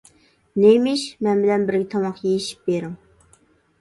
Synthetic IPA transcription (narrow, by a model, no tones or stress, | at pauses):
nejmɪʃmɛnbɪlɛnbɪɾɡʲɛt̪ʰɑmɑqjejiʃi̥p̚beɾɪŋ